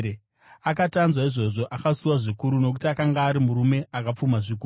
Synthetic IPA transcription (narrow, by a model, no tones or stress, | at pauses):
akatanzwaiʐo̞ʐo̞ʔakasuwaʐikuɾuno̞k̬utiakaŋɡaːɾimuɾume̞akap͡fumaʐik̬uːu